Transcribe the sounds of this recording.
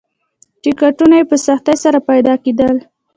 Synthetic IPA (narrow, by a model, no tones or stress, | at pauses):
ʈɪkaʈunajepəsaxt̪ajsaɾapajd̪ɑked̪əl